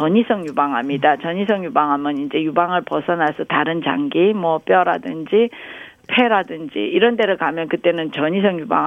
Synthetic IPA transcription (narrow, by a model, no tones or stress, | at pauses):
ʌɲisʰʌŋjubaŋɦamɲidat͡ɕʌɲisʰʌŋjubaŋɦamjʌnind͡ʑe̞jubaŋɯɭpʌsʰʌnasʰʌtaɾɯnt͡ɕa̰ŋɡimwʌp͈jʌɾadɯnd͡ʑi | pʰe̞ɾadɯnd͡ʑḭiɾʌnte̞ɾɯɭkamjʌnkɯt͈e̞nɯnt͡ɕʌɲisʰʌŋjuba̰ŋ